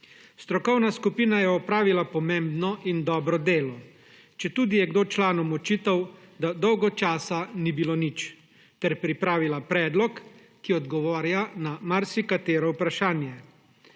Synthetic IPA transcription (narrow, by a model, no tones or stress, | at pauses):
st̪ɾɔkɔwnaskupiːnajɛɔpɾaːʋilapɔmeːmbnɔʔind̪ɔːbɾɔd̪eːlɔ | t͡ʃɛt̪uːd̪ijɛɡd̪oːt͡ʃlaːnɔmɔt͡ʃiːt̪awd̪ad̪ɔwɡɔt͡ʃaːsanibiloːnit͡ʃ | t̪ɛɾpɾipɾaːʋilapɾɛːd̪lɔkː | iɔd̪ɡɔʋɔːɾjanamaɾsikat̪eːɾɔupɾaʃaːnjɛ